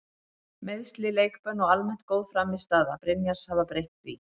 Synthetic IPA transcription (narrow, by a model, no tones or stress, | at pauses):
mɪðst̪lɪleːjkpœnːɔɣalmɛn̥t̪̚kowðfɾaːmɪst̪aːðapɾɪnjaɾ̥shavapɾejht̪vḭ